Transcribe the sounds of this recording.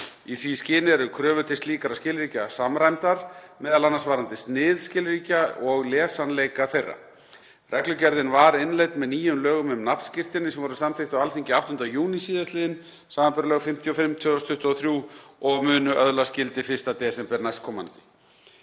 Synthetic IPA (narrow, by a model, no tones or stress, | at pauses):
iθviscɪːnɪɛɾʏkʰɾœːvʏt̪ʰɪst̪liːkaɾascɪːlɾiːcasamɾajmt̪aɾ̥mɛːðalanːasvaːɾant̪ɪst̪nɪðscɪːlɾiːcaɔɣlɛːsanlejkaθejrːa̰ | rʔɛklʏcɛɾðɪnvaɾɪnlejt̪nmɛðniːjʏmlœːɣʏmʏmnapn̥scɪr̥t̪ɪnːɪsɛmvɔɾʏsamθɪht̪awalθiɲcɪaht̪ʏnd̪ajuːnisiːðasɪːðɪn | saːmampɛɾalœːɣfɪm̥t̪ʰjɔfɪmt̪ʰvʏːðɔst̪ʰʏht̪ɔθɾjuːɔɣmʏːnʏʔœðlascɪlt̪ɪfɪst̪at̪ɛːsɛmpɛɾnajskʰɔma̰nt̪ɪ̥